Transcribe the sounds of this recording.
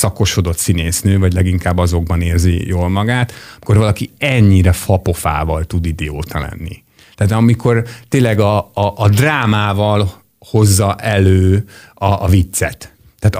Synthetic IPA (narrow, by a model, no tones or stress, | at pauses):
sɒko̞ʃo̞d̪o̞t̪sineːsnøːvɒɟlɛɡiŋkaːbːɒzo̞ɡ̚bɒneːrzḭjoːlmɒɡaːt̪mi̥ko̞rvɒlɒkiɛɲːiɾɛfɒpo̞fa̰ːvɒlt̪ud̪id̪ɛoːt̪ɒlɛ̰nːḭ | t̪ɛːt̪ɒmikʰo̞rt̪eːlɛɡɒʔːd̪raːmaːvɒl | ho̞zːɒʔɛløːɒʔːvit̪sɛt̪ː | aːt̪